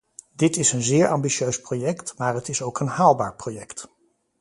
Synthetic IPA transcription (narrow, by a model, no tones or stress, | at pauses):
dɪtɪsənzɪːɹʔɑmbiʃøɥsprojɛktmaːɹɦətɪsowkənhaːlˠbaːɹprojɛkt